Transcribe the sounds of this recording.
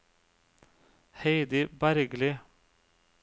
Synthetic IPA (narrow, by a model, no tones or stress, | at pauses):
heɪd̪ɪbæɾɡlɪ